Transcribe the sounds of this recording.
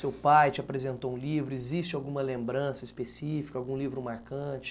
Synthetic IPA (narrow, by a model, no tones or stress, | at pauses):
sewpajt͡ʃɪapɾezẽnt̪oũlivɾʊezist͡ʃɪawɡũmɐlẽmbɾɐ̃sɐispesifi̥kɐawɡũlivɾʊmaɾkɐ̃t͡ʃɪ̥